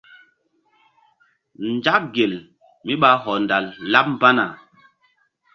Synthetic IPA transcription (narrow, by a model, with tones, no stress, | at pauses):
n˨d͡ʒa˦k̚ɡe˨l | mi˦ɓa˨˦ɦɔ˨nda˨lːa˦p̚m˦ba˦na˨